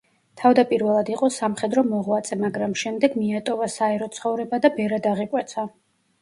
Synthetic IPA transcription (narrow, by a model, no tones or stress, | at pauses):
t̪ʰavd̪apʼiɾvɛlˠad̪iqʼɔsamχɛd̪ɾɔmɔʁwat̪sʰʼɛmaɡɾamʃɛmd̪ɛɡmiat̪ʼɔvasaɛɾɔt̪sʰχɔvɾɛbad̪abɛɾad̪aʁikʼwɛt̪sʰa